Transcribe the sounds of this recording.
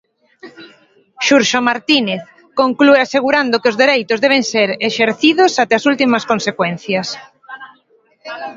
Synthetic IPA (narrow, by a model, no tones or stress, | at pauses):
ʃuɾʃomaɾt̪ineθ | koŋklueaseɣ̞uɾand̪okeozðeɾejt̪ʊzðeβeŋseɾeʃeɾθiðʊsat̪ɛasult̪imɐskonsekwɛn̟θjɐs